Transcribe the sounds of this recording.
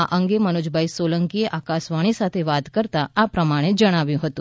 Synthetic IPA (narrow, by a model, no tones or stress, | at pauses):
aʔəŋɡeməñud͡ʒbʱajsoləŋkieʔakasʋaɽ̃isat̪ʰeʋat̪kəɾt̪aapɾəmaɽ̃ed͡ʒəɽ̃aʋjũɦət̪ũ